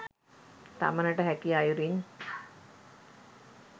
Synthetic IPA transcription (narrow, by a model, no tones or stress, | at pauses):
t̪a̰mənəʈəɦækiajuɾin